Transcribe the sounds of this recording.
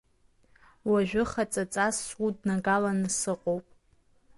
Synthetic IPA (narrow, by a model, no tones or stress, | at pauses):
waʒᶣʊχat͡sʼat͡sʼasudnaɡalanɨsɨqʼowpʼ